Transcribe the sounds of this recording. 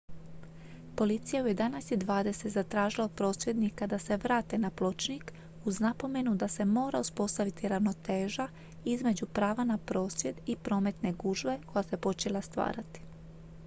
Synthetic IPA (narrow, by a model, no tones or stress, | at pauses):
po̞lit̪sijaujed̪anasjid̪ʋaːd̪e̞se̞t̪zat̪ɾaːʒilapɾo̞ːsʋʲjed̪nikad̪ase̞ʋɾaːt̪e̞naplˠo̞t͡ʃnik | uznapo̞me̞nud̪ase̞mo̞ːɾauspo̞st̪aʋit̪iɾaʋno̞t̪eːʒa | izme̞d͡ʑupɾaːʋanapɾo̞ːsʋje̞d̪ipɾo̞ːme̞t̪ne̞ɡuʒʋe̞ko̞jase̞po̞t͡ʃe̞lˠast̪ʋa̰ːɾat̪i̥